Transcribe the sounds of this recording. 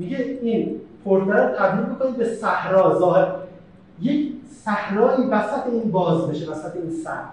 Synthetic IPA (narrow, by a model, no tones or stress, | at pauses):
miɡeiːnpʰoɾt̪ʰæɾæt̪ʰæbd̪iːlmikʰoniːd̪̚besæhɾɒːzɒːheɾ | je̞kʰsæhnɒːjiːvæsæt̪ʰeiːnbɒːzbe̞ʃevæsæt̪ʰeiːnsæ̰hn